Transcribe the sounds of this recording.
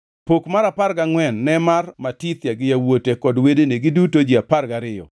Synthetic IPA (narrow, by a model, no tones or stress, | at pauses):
pokmaɾaparɡaŋwɛnːɛmarmatit̪jaɡɪjawotekɔdwedeneɡɪdutod͡ʒiaparɡaɾɪjɔ̰